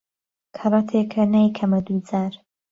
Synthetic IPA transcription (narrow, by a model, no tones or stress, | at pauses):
kʰɐrˤɑt̪ʰekʰɐnajkʰɐmɐd̪ud͡zaːɾ